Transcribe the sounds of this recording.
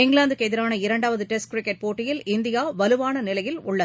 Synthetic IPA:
ɪŋɡɭaːnd̪ɯkːɛðɪɾaːnɐɪɾɐɳɖaːʋɐðɯʈɛsʈkɾɪkːɛʈ̚poːʈːɪjɪlɪnd̪ɪjaːʋɐlɯʋaːnɐnɪlɐjɪlʊɭːɐ

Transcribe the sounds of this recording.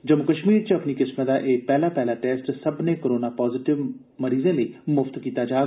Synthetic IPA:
d͡ʒəmʊkəʃmiːɾt͡ʃəəpniːkɪsmət̪d̪aːʔeːpɛːlaːpɛːlaːʈɛːsʈsəbnẽːkəɾoːnaːpɔːzɪʈɪʋ | məɾiːzẽːləiːmʊft̪kiːt̪aːd͡ʒaː

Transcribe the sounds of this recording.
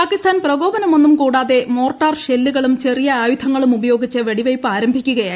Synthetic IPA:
aːkist̪ʰaːnprɐɡo̞ːbɐnɐmo̞nːumkuːɽaːðe̞mo̞ːrʈːaːrɕelːuɣɐɭumt͡ɕe̞rijɐaːjud̪ʱʰɐŋːɐɭumubɐjo̞ːɡit͡ɕːɨʋeɽiʋɐjpːaːɾɐmbʱikʲːuɣɐjaː

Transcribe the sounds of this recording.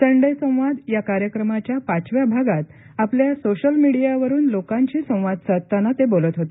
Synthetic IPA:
t̪əɳɖəjsə̃w̃ʋad̪jakaɾjəkɾəmat͡ɕjapat͡sʋjabʱaɡat̪ | apljasoɕəlmiɽijaʋəɾuːnlokãɲt͡ɕiːsə̃w̃ʋad̪sət̪anat̪ebolət̪ɦot̪e

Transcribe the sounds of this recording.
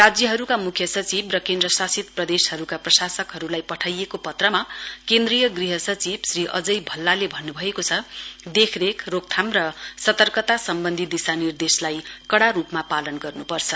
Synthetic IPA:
rad͡zjʌɦʌɾukamukʰjʌsʌt͡sibrʌkend̪rʌsasit̪prʌd̪eshʌɾukaprʌsasʌkɦʌɾulajpʌʈʰajekopʌt̪rʌmakend̪rijʌɡriɦʌsʌt͡sibsriʔʌ̰d͡zʌjbʱʌlːalebʱʌnːubʱʌekot͡sʰʌd̪ekʰrekʰrok̚t̪ʰamrʌsʌt̪ʌrkʌt̪asʌmbʌnd̪ʱid̪isanird̪eslajkʌɽaɾupmapalʌnɡʌrnupʌrt͡sʰʌ

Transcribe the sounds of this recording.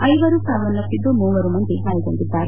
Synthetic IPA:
ɐjʋɐɾusaːʋɐnːɐt̪ːid̪ːumuːʋɐɾumɐnd̪iɦaːjikoɳɖid̪ːaːɾe

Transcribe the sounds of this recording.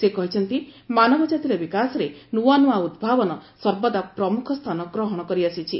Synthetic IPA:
sekɔɦit͡ʃʰɔnt̪imanɔbɔd͡ʒat̪iɾebikasɔɾenuanuaud̪bʱabɔnɔsɔɾbɔd̪apɾɔmukʰɔst̪ʰanɔɡɾɔɦɔɽ̃ɔkɔɾiasit͡ʃʰi

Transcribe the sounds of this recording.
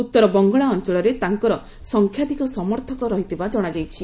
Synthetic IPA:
ut̪ːɔɾɔbɔŋɡɔɭaɔnt͡ʃɔɭɔɾet̪aŋkɔɾɔ | sɔŋkʰjad̪ikɔsɔmɔɾt̪ʰɔkɔɾɔɦit̪ʰibad͡ʒɔɽ̃ad͡ʒajt͡ʃʰi

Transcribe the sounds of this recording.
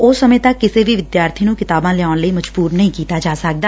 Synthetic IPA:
oːsɐmə̃ẽt̪ɐkːɪsebʱiʋɪd̪jaːɾt̪ʰinũkɪt̪aːbãlɪaːʊnləimɐd͡ʒbuːɾnɐɦĩkiːt̪ad͡ʒaːsək̚d̪aː

